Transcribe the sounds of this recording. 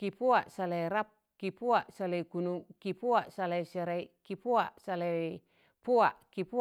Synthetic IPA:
kipuaʔsaleɾap̚kipuaʔsalekunukipuaʔsaleseɾaikipuaʔsale | puaʔkipu

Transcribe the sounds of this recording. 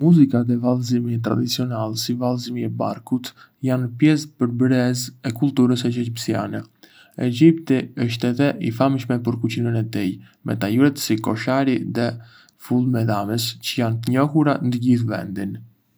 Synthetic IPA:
muzikaðɛvalˠzimiɛt̪ɾa̰d̪it͡siɔnalsivalˠzimiɛba̰ɾkut̪ | janpjɛspəɾbɾɛzɛkulˠt̪uɾəs̬ɛd͡ʒɛd͡ʒipsia̰nɛ | ɛd͡ʒipt̪iəʃ̬t̪ɛt̪ɛʔifamʃmɛpəɾkut͡ɕinənɛt̪ij | mɛ̰t̪ajuɾɛt̪sikɔʃaɾiðɛ | fulˠmɛðaməst͡ɕəjant̪əɲɔhuɾand̪əɟiθvɛ̰nd̪in

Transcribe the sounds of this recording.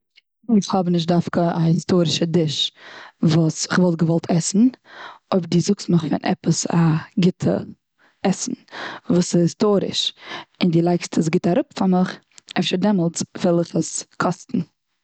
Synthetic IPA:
ɪχhɔbnɪʃ̬t̚dafkəahɪstoːɾɪʃədɪʃ | vuːsɪχvɔlˠt̚ɡəvɔlˠtʰɛsn̩oɪbəɾdiːzʊksməχfɪ̰nʔɛ̰pəsa̰ɡɪtʰə̰ | ɛsn̩vuːsɪhɪstoːɾɪ̰ʃɪndiːlˠaɪkstʰəs̬ɡɪtaɾʊpfamɪχ | ɛfʃəɾdɛməlˠtvɛlˠɪχəskʰɔstn̩

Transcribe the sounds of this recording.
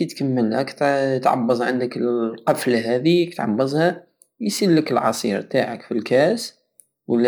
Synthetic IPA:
it̪kamːəlækt̪t̪ʕɑ̰bːɑzˤʕand̪əkəqɑflaɦæðikt̪ʕɑ̰bːɑzˤhæ | jsilːəkəlʕɑsˤḭɾt̪aʕəkfilkæs | wəlː

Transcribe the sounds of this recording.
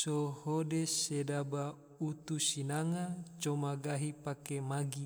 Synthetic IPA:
sohodesedaba | ut̪usinaŋat͡ʃomaɡaɦipakemaɡi

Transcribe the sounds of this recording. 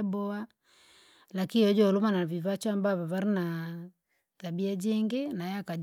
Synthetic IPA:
bɔa | lakiɔd͡ʒɔlomanaβiβat͡ʃwambaβaβaɾina | tabiad͡ʒeŋɡenaɛakad͡ʒ

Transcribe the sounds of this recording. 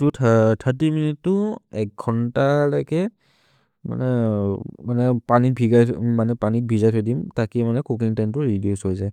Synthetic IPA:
tutʰtʰətːiminitːʊɛk̚ɡʰʱɔntalajkɛ | ma̰nɛ | manɛpanibʱiɡajmanɛpanit̚bʱizajtʰɔjdimtakimanɛkuk̬iŋtantʊɹidiusojzaj

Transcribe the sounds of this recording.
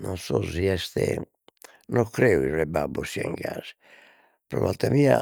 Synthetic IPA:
nɔnsɔziɛst̪ɛ | nɔkɾɛuirɛbabosiɛŋɡazi | pɾɔ̰valt̪amiːa

